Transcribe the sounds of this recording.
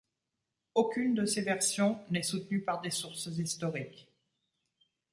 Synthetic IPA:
okʲynd̪əsevɛʁsjɔ̃nɛsut̪nypaʁd̪esuʁszist̪ɔʁik

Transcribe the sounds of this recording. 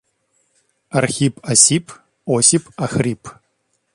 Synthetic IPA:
ɐrxipʰʼɐsipʰʼ | osipʰʼɐxripʰʼ

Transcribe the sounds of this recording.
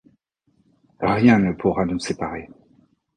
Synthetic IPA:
ʁjɛ̃nəpʰuʁanusepaʁe

